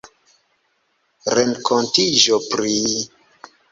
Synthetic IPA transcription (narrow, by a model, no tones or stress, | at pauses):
ɾeŋkʰontiʒopɾi